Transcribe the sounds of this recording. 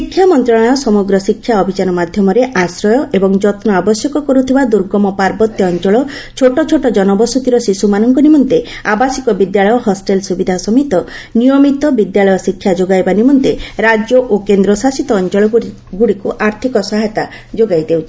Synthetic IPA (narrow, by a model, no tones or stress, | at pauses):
sikʰːjamɔnt̪ɾaɽ̃ajɔsɔmɔɡɾɔsikʰːjaɔbʱit͡ʃanɔmad̪ʱjɔmɔɾeʔasɾɔjɔʔebɔŋd͡ʒɔt̪nɔabɔsjɔkɔkɔɾut̪ʰibad̪uɾɡɔmɔpaɾbɔt̪jɔːnt͡ʃɔɭɔt͡ʃʰoʈɔt͡ʃʰoʈɔd͡ʒɔnɔbɔsɔt̪iɾɔsisumanɔŋkɔnimɔnt̪e | abasikɔbid̪jaɭɔjɔɦɔsʈelsubid̪ʱasɔmit̪ɔnijɔmit̪ɔbid̪jaɭɔjɔsikʰːjad͡ʒoɡajbanimɔnt̪eɾad͡ʒjɔʔokend̪ɾɔsasit̪ɔːnt͡ʃɔɭɔ | ɡuɽikuʔaɾt̪ʰikɔsaɦɛt̪a | d͡ʒoɡajd̪ewt͡ʃʰi̥